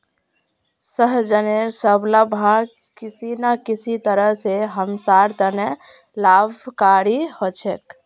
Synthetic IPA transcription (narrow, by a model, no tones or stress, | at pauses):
səɦd͡ʒəneɾsəbləbʱa | kisinakisʰit̪əɾəɦseɦəmsaɾt̪əne | labʱkaɾihot͡ʃʰek